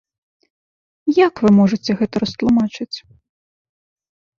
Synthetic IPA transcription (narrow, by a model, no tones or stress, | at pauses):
jakvɨmɔʐɨt͡sʲɛɣɛt̪ɐɾɐst̪lˠumat͡ʂɨt͡sʲ